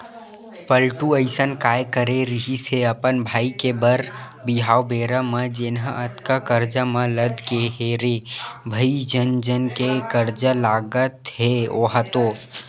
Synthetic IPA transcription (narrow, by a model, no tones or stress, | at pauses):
pəlʈuəɪsənkaːjkəɾeɾɪɦiseɐpənbʱaːikebəɾ | biɦaːwbeːɾamə̃d͡ʒeːnãʔət̪kakəɾd͡ʒamɐ̃ləd̪ʱkeɦeːɾebʱɐid͡ʒənd͡ʒənkekəɾd͡ʒalaːɡət̪ɦeoːɦat̪o